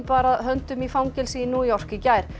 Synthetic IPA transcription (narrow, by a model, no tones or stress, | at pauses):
paːɾaðɦœnt̪ʏmifawŋcɛlsiːnuːjɔr̥cɪcaːjɾ̥